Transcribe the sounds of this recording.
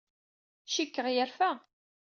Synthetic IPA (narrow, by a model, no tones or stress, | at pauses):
ʃikːəʁjəɾfæ